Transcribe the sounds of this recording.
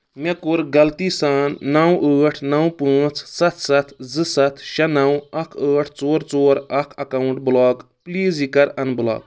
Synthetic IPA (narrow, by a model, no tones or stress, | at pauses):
mekuɾɡɐlt̪isaːnːɐwəːʈʰnɐwpuːt͡ssɐt̪ʰsɐt̪ʰd͡zɨsɐt̪ʰʃɐnɐwɐkʰəːʈʰt͡soːɾt͡soːɾɐkʰɐkɐwɳʈ̚blɔːɡ | pliːzikɐɾɐnblɔ̰ːɡ